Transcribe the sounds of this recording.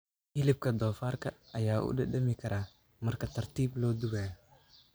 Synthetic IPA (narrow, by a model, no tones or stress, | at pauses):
hɪlɪb̚kʰɐd̪ɔːfaːrkʰɐːjaːʔṵːdɐdɐmɪkʰɐɾʔaː | mɐrkɐt̪ʰɐrt̪iːblɔːd̪uɣaːjɔ